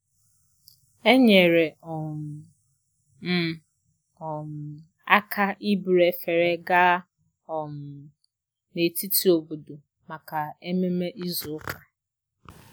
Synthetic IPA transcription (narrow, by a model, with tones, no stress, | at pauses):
ɛ˦ɲɛ˨ɾɛ˨ɔ˨m | m̩˦˨ | ɔ˨m | a˦kʰa˦ʔi˦bɾɛ˨fɛ˨ɾɛ˦ɡaː˦ | ɔ̃˨m | ne˨tʰi˦tʰi˨o˨bu˨du˨ | ma˨kʰa˨ɛ˦mɛ̃˦mɛ̃˦ʔi˦zʊ˨˦kʰa˨